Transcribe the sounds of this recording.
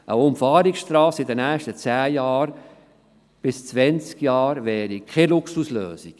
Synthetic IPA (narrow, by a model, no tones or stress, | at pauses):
ʔəʊmfɑːɾiksʃtɾɑːsɪdənɛːʃtət͡sæːjɑːɾ | b̥ɪst͡svɛnt͡skjɑːɾvɛːɾikʰelʊksuslø̰ːsik